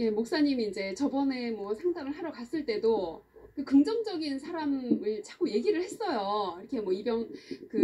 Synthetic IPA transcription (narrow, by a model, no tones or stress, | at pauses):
je̞mok̚s͈aɲimiːnd͡ʑe̞t͡ɕʌbʌne̞mwʌsʰaŋdaŋɯɭɦaɾjʌkas͈ɯɭt͈e̞do | kɯkɯŋd͡ʑʌŋd͡ʑʌɡins̬ʰaɾamɯɭt͡ɕʰak͈oje̞ɡiɾɯɭhe̞s͈ʌjoiɾʌkʰe̞mwʌibjʌŋkɯ